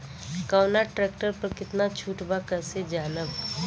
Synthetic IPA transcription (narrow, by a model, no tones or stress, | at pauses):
kawnaʈɾɛːkʈəɾpəɾkɪt̪nat͡ʃʰuːʈbakəɾsed͡ʒaːləb